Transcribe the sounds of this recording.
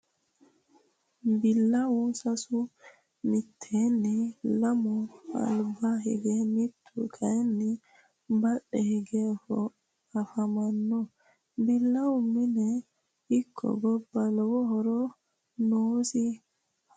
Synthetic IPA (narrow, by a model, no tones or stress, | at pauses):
mbilːawusasu | mitʰːenːilamɔa̰lbaɦḭɡɛmitʰːukʰanːi | mbaɗːɛhiɡɛfɔ | afamanːɔ | bilːawuminɛ | ikʰːɔ̰ɡɔbːalwɔɦɔɾɔ | nosi